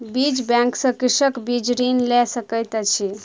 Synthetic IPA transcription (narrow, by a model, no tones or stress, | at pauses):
bid͡ʒbjɛ̃ŋksə̃kisəkbid͡ʒɾinlɛsəkəjt̪t͡ʃʰi